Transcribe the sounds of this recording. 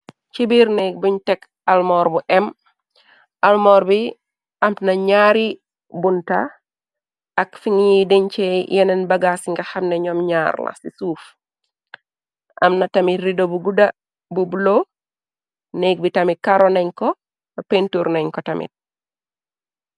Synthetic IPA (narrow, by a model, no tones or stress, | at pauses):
t͡ʃibiɾnek̚buɲtɛk | almɔːɾbuʔɛm | almɔːɾbi | ʔɐmnɐɲaɾi | bunta | ʔːkfiŋjidiɲt͡ʃɛjɛnɛnbɐɡasiŋɡaxɐmneɲɔmɲaɾla̰sisuːf | ʔɐ̰mnatɐmitridobuɡuda | bubulo | nɛɡ̚bitɐmit̚kaɾonɐɲkɔ | ɐpentuɾnɐɲkɔtɐmḭt̚